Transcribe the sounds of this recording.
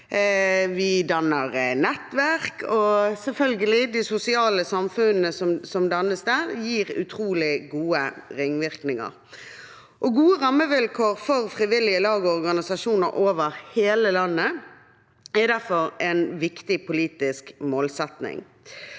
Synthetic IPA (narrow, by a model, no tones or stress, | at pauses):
ʋɪd̪ɑnəʁnɛt̪ʋæʁkʰɔsɛlfœlɡəlɪd̪ɪsʊsɪɑːləsɑmfʉnnəsɔmsɔmd̪ɑnəsd̪æːʁjiːʁʉ̰t̪ʰɾuːlɪɡuːəɾɪŋːʋɪʁknɪŋə̰ʁ | ʔɔɡuːəʁɑmːəʋɪlkʰoːʁfɔʁfʁɪʋɪlɪəlɑːɡəɔʁɡɑnɪsɑʃuːnəɾʔoːʋəɾheːləlɑnːə | æd̪æʁfɔɾɛnʋɪkt̪ɪpʊliːt̪ɪskmoːlsɛt̪nɪ̰ŋ